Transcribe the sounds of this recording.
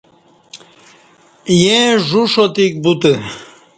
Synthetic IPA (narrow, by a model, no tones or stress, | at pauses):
jẽʐuʂot̪ik̚but̪ə